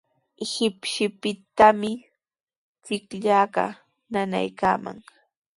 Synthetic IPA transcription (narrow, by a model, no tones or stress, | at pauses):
ehɪpʃɪpɪt̪amɪ | t͡sɪkʎaːɢɑ̰ | nana̰jka̰ːma̰ŋ